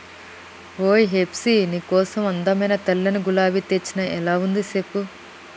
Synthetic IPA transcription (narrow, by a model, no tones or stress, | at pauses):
ʋoːjɦepsiniːkɔːsɐmɐnd̪ɐmɐjnɐt̪ɐlːɐnuɡulaːʋit̪et͡ʃːinɐʔɛlaːund̪isepːu